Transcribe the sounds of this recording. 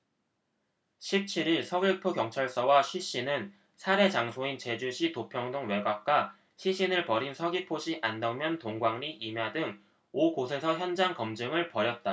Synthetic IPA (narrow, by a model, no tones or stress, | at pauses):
ɕʰip̚t͡ɕʰiɾiɭsʰʌɡipʰukjʌŋt͡ɕʰʌɭs͈ʌwaɕʰɥiɕ͈inɯn | sʰaɾe̞t͡ɕaŋsʰoint͡ɕe̞d͡ʑuɕʰitopʰjʌŋdɯŋwe̞ɡap̚k͈a | ɕʰiɕʰinɯɭpʌɾinsʰʌɡipʰoɕiʔandʌmjʌntoŋɡwaŋniʔimjadɯŋ | okosʰe̞sʰʌçjʌnd͡ʑaŋkʌmd͡ʑɯŋɯɭpʌɾjʌt̚t͈a